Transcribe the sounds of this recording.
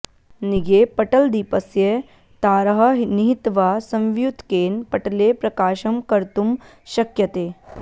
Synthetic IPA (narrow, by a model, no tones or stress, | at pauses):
niɡepɐʈɐld̪iːpɐsje | t̪aːɾɐɦɐɦniɦit̪ʋaːsɐ̃mʋjut̪keːnpɐʈleːpɾɐkaːʃɐmkɐɾt̪um | ʃɐkjɐt̪eː